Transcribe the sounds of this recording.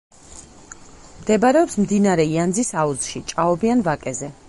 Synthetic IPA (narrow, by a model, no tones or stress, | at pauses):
md̪ɛbaɾɛɔpsmd̪inaɾɛiand̪zisauzʃit͡ʃʼaɔbianvakʼɛzɛ